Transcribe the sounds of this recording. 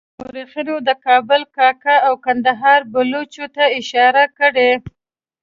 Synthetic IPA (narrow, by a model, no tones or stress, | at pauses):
oɾixinod̪əkɑbʊlkɑkaawkand̪aɦɑɾbʊlot͡ʃot̪aɪʃɑɾakəɽe